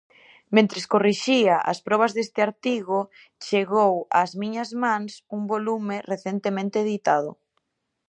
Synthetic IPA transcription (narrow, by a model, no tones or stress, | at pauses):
mẽnt̪ɾeskoriʃiaʔa̰spɾɔβ̞azðest̪ɪaɾt̪iɣo | t͡ʃeɣowa̰zmiɲɐzmãŋsuŋbolumereθent̪emẽnt̪eːðit̪aðʊ̰